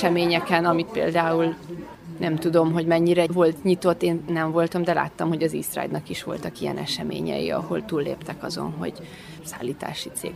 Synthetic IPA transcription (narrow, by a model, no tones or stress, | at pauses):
ɛmeːɲɛkɛnɒmit̪pḛːld̪aːul | nʔɛmt̪ud̪o̞mɦo̞ɟmɛɲːiɾɛvo̞lt̪ɲit̪o̞t̪ːeːnnɛɱvo̞lt̪ɒmd̪ɛla̰ːt̪ːɒmho̞ɟɒzisra̰jd̪nɒkiʃʋo̞̰lt̪ɒkijɛ̰nɛʃɛmḛːɲɛ̰jḭɒ̰ho̞̰lt̪uːlːeːpt̪ɛkɒzo̞̰nɦo̞̰ɟ | saːlːiːt̪a̰ːʃit̪sḛːɡ